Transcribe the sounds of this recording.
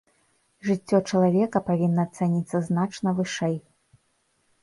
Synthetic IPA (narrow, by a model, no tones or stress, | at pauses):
ʐɨtʲːɔt͡ʂɐlˠavʲɛkɐpavʲinːɐːt̪sɛnʲit̪sːɐznat͡ʂnɐvɨʂɛj